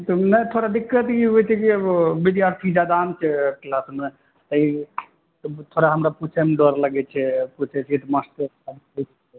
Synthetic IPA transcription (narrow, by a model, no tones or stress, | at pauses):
t̪ənəjt̪ʰoɾad̪ikːət̪jiɦojt͡ʃʰɛkibid̪jaɾt̪ʰid͡ʒad̪aːmt͡ʃʰɛklasme | t̪əi | t̪t̪ʰoɾaɦəmɾaput͡ʃʰɛmeɖɔɾləɡɛt͡ʃʰɛput͡ʃʰɛt͡ʃʰit̪ɔmasʈə | abɦot͡ʃʰ | ɛ